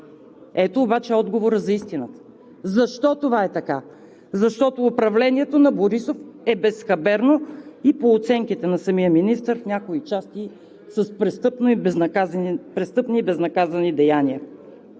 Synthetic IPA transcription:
ɛt̪oːbat͡ʃɛɔd̪ɡovoɾəzɐist̪inət̪ə̥ | zɐʃt̪ɔt̪ovaɛt̪ɐka | zɐʃt̪ɔt̪oːpɾɐvlɛniɛt̪onɐboɾisofɛbɛsxɐbɛɾnoipoːt̪sɛŋkit̪ɛnɐsɐmiəminist̪əɾfnʲakoit͡ʃast̪i | səspɾɛst̪ɤpnobapɾɛst̪ɤpniːbɛznɐkazɐnid̪ɛjaniə

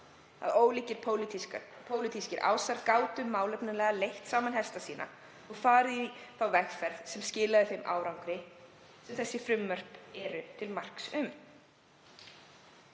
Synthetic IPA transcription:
a̰ðoːwliːcɪɾ̥ | pʰoːwlit̪ʰiscɪɾʔa̰ːwsaɾkaːwt̪ʏmːaːwlɛpnɪlɛɣalejht̪saːmanɦɛst̪asiːnʔa̰ | ɔɣfaːɾiθawvɛxfɛɾð̥sɛmscɪːlaðʏθejmʔa̰ːwɾawŋkɾɪ | sɛmθɛsːɪfɾʏmːœr̥pɛɾʏt̪ʰɪlmar̥ksʏm

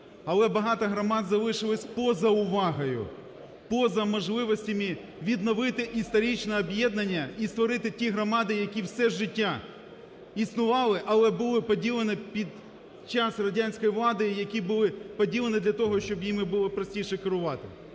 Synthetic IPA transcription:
ɐlˠɛbɐɦɑt̪ɐɦɾɔmɑd̪zɐʋɪʃɪlˠɐsʲpɔzɐʊʋɑɦɐjʊ̰ | pɔzɐmɔʒlˠɪʋɔsʲtʲɐmi | ʋʲid̪nɔʋɪt̪ɪʔist̪ɐɾʲit͡ʃnɛɔbjɛd̪nɐnʲːɐist̪ʋɔɾɪt̪ɪtʲiɦɾɔmɑd̪ɪjɐkʲiwsɛʒɪtʲːa | isnʊʋɑlˠɪʔɐlˠɛbʊlˠɪpɔdʲilˠenɪpʲid̪ | t͡ʃɑsrɐdʲanʲsʲkɔjiʋlˠɑd̪ɪjɐkʲibʊlˠɪpɔdʲilˠenɪd̪lʲɐt̪ɔɦɔʃt͡ʃɔbjimɪbʊlˠɪpɾɔsʲtʲijʃɛkɪɾʊʋɑt̪ɪ̰

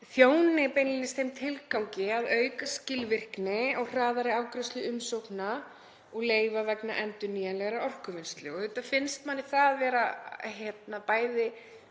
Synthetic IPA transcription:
θjoːwnɪpejnlɪnɪst̪ejmt̪ʰɪlkawɲcɪaðœɥkascɪlvɪr̥knɪɔɣr̥aːðaɾɪaːwkɾʏst̪lʏʏmsowkna | ɔɣleːjvavɛkna̰ʔɛnt̪ʏniːjanlɛɣaɾaɔr̥kʏvɪnst̪lɪɔɣʏt̪afɪnst̪manːɪθaðvɛːɾahjɛt̪napaːjðɪ

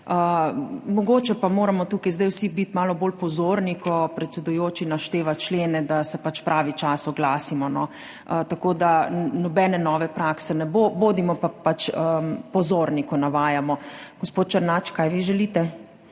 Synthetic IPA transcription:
əmɔɡoːt͡ʃɛpamoːɾamɔt̪uːkajzd̪ɛjwsibit̪maːlɔboːlpɔzoːɾnikɔpɾɛt̪sɛd̪ujoːt͡ʃinaʃt̪eːʋat͡ʃleːnɛd̪asɛpat͡ʃpɾʔaːʋit͡ʃaːsɔɡlaːsimɔnɔ | t̪akoːd̪anɔbɛnɛnɔːʋɛpɾaksɛnɛboboːd̪imɔpapat͡ʃəpɔzoːɾnikɔnaʋaːjamɔɡ̥ɔspoːt̪̚t͡ʃaɾnaːt͡ʃkaːjʋiʒɛlit̪ɛ

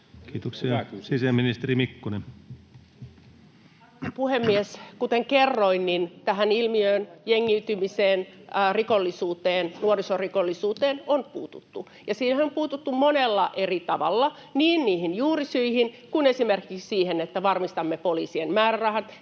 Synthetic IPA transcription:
kiːt̪oksiɑsisemːinist̪erimikːunen | puhemːieskut̪eŋkerːoinnint̪æɦænilmiøːnjeŋːiyt̪ymiseːnrikolːisuːt̪eːnnuorisorikolːisuːt̪eːnonpuːt̪ut̪ːu | jɑsiːnhæompuːt̪ut̪ːummonelːɑʔerit̪ɑʋɑ̰lːɑ | niːnniːhinjuːrisyihin | kunesimerkikssiːhenet̪ːæʋɑrmist̪ɑmːepoliːsienmæːrærɑhɑt̪

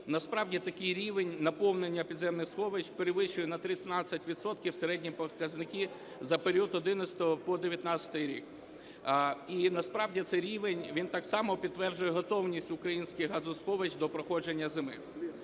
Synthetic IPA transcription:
nɐspɾɑwdʲit̪ɐkɪjɾʲiʋenʲnɐpɔwnenʲːɐpʲid̪zɛmnɪxsxɔʋet͡ʃpeɾɪʋɪʃʊjɛnɐt̪ɾʲit̪nɑt͡sʲːɐtʲʋʲit̪sɔt̪kʲiwseɾɛdʲnʲipɔkɐznɪkʲi | zɐpeɾʲiut̪ɔd̪ɪnɐsʲt̪ɔɔpɔd̪eʋʲjɐt̪nɑt͡sʲɐ̥t̪ɪjɾʲḭk | inɐspɾɑwdʲit̪sɛɾʲiʋenʲʋʲint̪ɑksɑmɔpʲid̪ːʋɛrd͡ʒʊjɛɦɔt̪ɔwnʲisʲtʲʊkɾɐjinʲsʲkɪɦɑzʊsxɔʋet͡ʃd̪ɔpɾɔxɔd͡ʒenʲːɐzɪmɪ̰

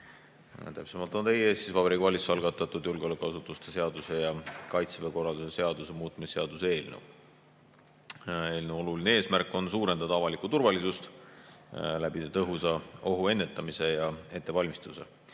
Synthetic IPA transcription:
t̪æpse̞mɑlt̪ˑo̞nt̪e̞jeːst̪sisvɑb̥eɾikvɑlʲitsɑlɡɑt̪ːˑɑt̪ːˑud̪̥julɡeolækːˑuɑsut̪ːˑust̪e̞se̞ɑd̪̥use̞jɑkɑjt̪seveko̞rɑld̪usese̞ɑd̪̥use̞muːt̪ːˑmisːe̞ɑd̪̥usee̞ːlnḛw | e̞ːlnewo̞lulinee̞ːsmærkːˑo̞nsuːɾe̞nd̪ɑd̪̥ɑɑvɑlikut̪urvɑlisust̪ | læb̥it̪ɤɦusɑo̞ɦue̞nːe̞t̪ˑːɑmise̞jɑe̞t̪ːˑevɑlʲmist̪use̞̰

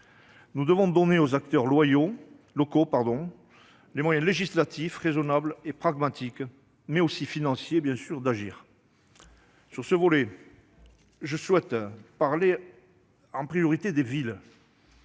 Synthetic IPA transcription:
nud̪əvɔ̃d̪ɔneozak̚t̪œʁlwajo | lɔkopaʁd̪ɔ̃ | lemwajɛ̃leʒislat̪ʰifʁezɔnablepχaɡmat̪ik | mɛosifinɑ̃sjebjɛ̃syʁd̪aʒiːʁ | syʁsəvɔlɛ | ʒəswɛt̪paʁle | ɑ̃pχijɔʁit̪ed̪evil

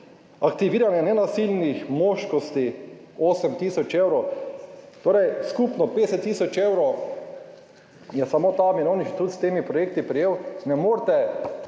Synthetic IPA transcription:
akt̪iʋiːɾanjɛnɛnasilnixmoːʃkɔst̪i | oːsəmt̪isɔt͡ʃeːwɾɔw | t̪oːɾɛjskupnɔped̪ɛsɛt̪ːiːsɔt͡ʃeːwɾɔw | jɛsamoːt̪amiɾoːniʃt̪ut̪st̪eːmipɾɔjeːk̚t̪ipɾijeːwnɛmoːɾt̪ɛ

